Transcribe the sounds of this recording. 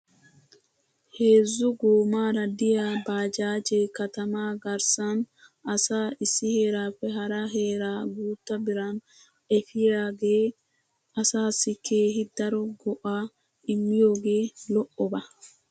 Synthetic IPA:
he̞ːzːʊɡoːmaːɾɐd̪ɪjaːbaːd͡ʒaːd͡ʒeːkɐt̪ɐmaːɡɐɾsɐnɐsaːɪsːɪhe̞ːɾaːpːɛɦɐɾɐɦe̞ːɾaːɡuːt̪ːɐbɪɾɐn | ɛfɪjaːɡeː | ɐsaːsɪkʰe̞ːɦɪd̪ɐɾɔɡɔʔaː | ɪmːɪjo̞ːɡe̞ːlɔʔːɔbɐ

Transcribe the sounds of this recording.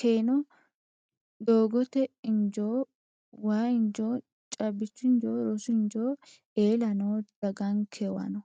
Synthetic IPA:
keːnɔ | d̪oːɡɔt̪ɛɪnd͡ʒoː | waːɪnd͡ʒoː | t͡ʃʼɐbːɪt͡ʃːʊɪnd͡ʒoːɾɔsʊɪnd͡ʒoː | eːlɐnoːd̪̥ɐɡɐŋkʰewɐ̰nɔ

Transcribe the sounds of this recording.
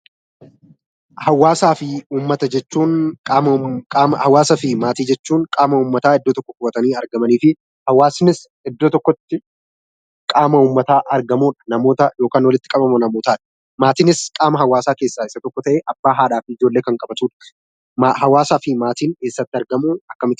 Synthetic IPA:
hɐwːaːsaːfɪuːmːɐt̪ɐd͡ʒɛt͡ʃːuːnkʼaːmɐaːmɐhɐwaːsɐfɪmaːt̪iːd͡ʒɛt͡ʃːuːŋkʼaːmɐuːmːɐt̪aːɪd̪ːɔt̪ɔkːɔkʊɐt̪ɐniːɐɾɡɐmɐniːfɪ | hɐwaːsnɪs | ɪd̪ːot̪ɔkːɔt̪ːɪ | kʼaːmɐuːmːɐt̪aːʔɐɾɡɐmuːᶑɐ̥nɐmo̞ːt̪ɐjo̞ːkaːnwɐlɪt̪ːɪ̥kʼɐbɐmɐnɐmoːt̪aːᶑɐ̥ | maːt̪ɪnɪskʼaːmɐɦɐwaːsaːke̞ːsːaːɪsɐt̪ɔkːɔt̪ɐʔeːʔɐbːaːɦaːᶑaːfɪɪd͡ʒo̞ːlːe̞ːkɐŋkʼɐbɐt̪uːᶑɐ̥ | mahɐwaːsaːfɪmaːt̪iːneːsːɐt̪ːɪɐɾɡɐmuːɐkːɐmɪt̪ɪ

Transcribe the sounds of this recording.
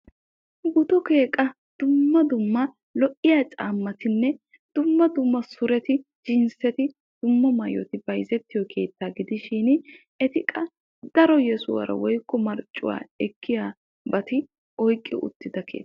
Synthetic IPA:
ɡʊt̪ɔke̞ːkʼɐ | d̪̥ʊmːɐd̪ʊmːɐ | lɔʔɪjaːt͡ʃʼaːmːɐt̪ɪnːɛ | d̪̥ʊmːɐd̪ʊmːɐsʊɾɛt̪ɪd͡ʒɪnsɛt̪ɪ | d̪̥ʊmːɐmɐjɔ̰t̪ɪbɐjzɛt̪ːɪjɔkʰe̞ːt̪ːaːɡɪd̪ɪʃɪn | ɛt̪ɪkʼɐ | d̪̥ɐɾɔjɛsʊwɐ̰ɾɐ̰wɔjkːɔmɐɾt͡ʃʼːʊ̰wa̰ːɛkʰːɪjaː | bɐt̪ɪ | ɔjkʼːɪ̰ʔʊ̰t̪ːɪd̪ɐkʰḛːt̪ː

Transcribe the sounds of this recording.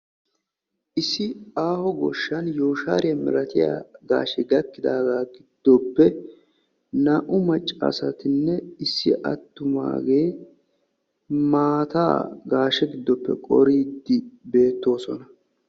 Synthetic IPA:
ʔɪsːɪaːhɔɡɔʃːɐnjoːʃa̰ːɾɪjɐmɪ̰ɾɐt̪ɪja̰ːɡa̰ːʃɛɡɐkːɪd̪aːɡaːɡɪd̪̥ːɔpːɛ | nɐʔʊmɐt͡ʃʼːa̰sɐt̪ɪnːɛɪsːɪʔɐt̪ːʊma̰ːɡe̞ː | maːt̪a̰ːɡaːʃɛɡɪd̪ːɔpːɛ̰kʼɔ̰ɾiːd̪ːɪbe̞ːt̪ːo̞ːsɔnɐ

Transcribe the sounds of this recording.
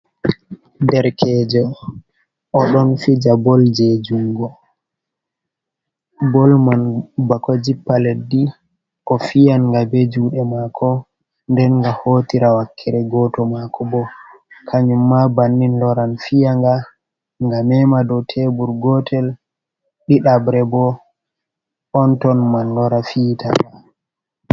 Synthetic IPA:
dɛɾkʰɛːd͡ʒɔ | ɔɗɔnfid͡ʒabɔld͡ʒɛd͡ʒuŋɡɔ | bɔlmanbakɔd͡ʒipːaledi | ʔɔfijanŋɡabed͡ʒuːɗɛmaːkʰɔ | ndɛnŋɡahotiɾawakʰːɛɾɛɡɔtɔmakʰɔbɔ | kʰaɲumːabanːinlɔɾanfijaŋɡa | ŋɡamɛmadɔtʰebuɾɡɔtʰɛl | ɗiɗabɾɛbɔ | ɔntɔnmanlɔɾafiːta̰ŋa

